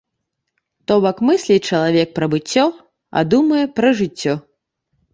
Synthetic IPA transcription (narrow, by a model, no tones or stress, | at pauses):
t̪ɔbɐkmɨsʲlʲit͡ʂɐlˠavʲɛk̚pɾɐbɨt͡sʲːɔ | a̰d̪umɐjɛpɾɐʐɨt͡sʲːɔ